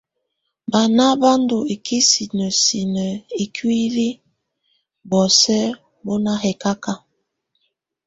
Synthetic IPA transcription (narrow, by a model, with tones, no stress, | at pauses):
ba˨na˦ba˦ndo˨e˨ki˦si˨nə˨si˨nə˨e˨kwi˦ɾi˦ | bɔ˨sɛ˦ | bo˦na˦ɦɛ˨ka˦ka˦